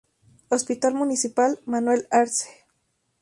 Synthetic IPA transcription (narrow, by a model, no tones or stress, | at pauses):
ospit̪almunisipalmanwelaɾse̥